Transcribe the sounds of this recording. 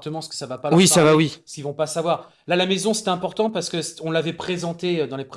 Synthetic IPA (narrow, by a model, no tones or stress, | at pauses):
t̪əmɑ̃səkə̥savapawisavawisə̥kʲivɔ̃pasavwaʁ | lalamezɔ̃sɛ̥t̪ɛ̃pɔʁt̪ɑ̃paʁsə̥kəse̥ɔ̃lavɛpχezɑ̃t̪eød̪ɑ̃lep